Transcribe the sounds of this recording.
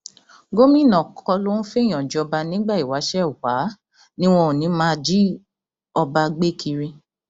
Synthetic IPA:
ɡo˦mĩ˦˨nã˨kʰɔ˧lo˦ñ̩˦fe˦˨j̃ɔ̃˨d͡ʒɔ˧ba˧nĩ˦ɡ͡ba˦˨i˨wa˨˦ʃɛ˦˨u˨wa˨˦ | nĩ˦w̃ɔ̃˧ũ˨nĩ˨˦mãː˦d͡ʒi˦ | ɔ˧ba˧ɡ͡be˦˨kʰi˧ɾĩ˧

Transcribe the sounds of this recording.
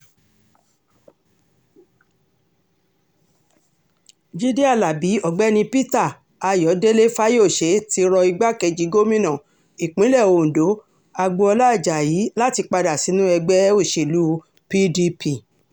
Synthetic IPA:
d͡ʒi˦di˦a˦˨la˨bi˨˦ɔ˦˨ɡ͡bɛ˦nĩ˧pi˦ta˦˨ | a˧jɔ˨˦de˦le˦fa˦jo˦˨ʃe˨˦ti˧ɾɔ˧i˧ɡ͡ba˦kɛ˧d͡ʒi˨˦ɡo˦mĩ˦nɔ̃˨ | i˨k͡pĩ˨˦lɛ˦˨o˧˨n̩˨do˨˦ | a˧ɡ͡bo˧ɔ˧la˦˨d͡ʒa˨jiː˨˦la˦ti˧k͡pa˧da˨si˨˦nũ˦ɛ˧ɡ͡bɛ˦o˦˨ʃe˨lu˨˦ | pi˦di˧pi˦˨

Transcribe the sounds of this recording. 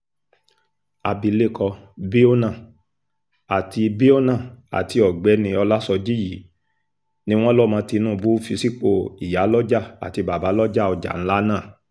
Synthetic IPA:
a˨bi˨le˦˨kɔ˧bi˦o˦nã˦˨ | a˨ti˧bi˦o˦nã˦˨a̰˨ti˧ɔ˨ɡ͡bɛ˨˦nĩ˧ɔ˧la˦sɔ˧d͡ʒi˦ji˨˦ | nĩ˦w̃ɔ̃˦lɔ˦mãː˨˧˦ti˧nũː˦˨˧bu˦fi˧si˦k͡po˦˨i˨ja˨˦lɔ˦d͡ʒa˦˨a̰˨ti˧ba˨ba˨˦lɔ˦d͡ʒa˦˨ɔ˧d͡ʒa̰˨ñ̩˦la˦nãː˦˨

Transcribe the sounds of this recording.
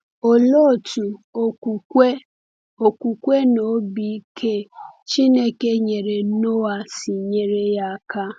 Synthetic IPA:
o˨lo˦˨tu˨o˨ku˨kʷe˦ | o˨ku˨kʷe˦no˨˦bi˦i˦kʰe˦t͡ʃi˦ne˦ke˦ɲe˨ɾe˨no˦a˨si˨ɲe˨ɾe˦ja˦˨ka˦

